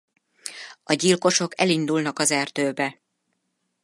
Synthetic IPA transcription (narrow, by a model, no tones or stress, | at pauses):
ɒɟilko̞ʃo̞kɛ̰lind̪ulnɒkɒzɛrt̪øːbɛ